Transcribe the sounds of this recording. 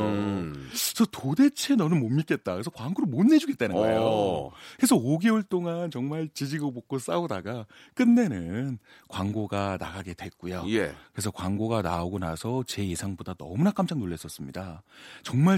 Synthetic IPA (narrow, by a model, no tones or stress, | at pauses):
t͡ɕʌtode̞t͡ɕʰe̞nʌnɯnmomːik͈e̞t̚t͈akɯɾesʰʌkwaŋɡoɾomonːe̞d͡ʑuɡe̞t͈enɯnɡʌ̰ḛjokɯɾe̞sʰʌoɡe̞uɭt͈oŋant͡ɕʌŋmaɭt͡ɕid͡ʑiɡobok͈os͈aodaɡak͈ɯnːe̞nɯn | kwaŋɡoɡana̰ɡaɡe̞dwe̞k͈ujojekɯɾesʰʌkwaŋɡoɡanaoɡonasʰʌt͡ɕe̞jesʰaŋbodanʌmunak͈amt͡ɕ͈aŋnoɭːe̞s͈ʌs͈ɯmɲidat͡ɕʌŋma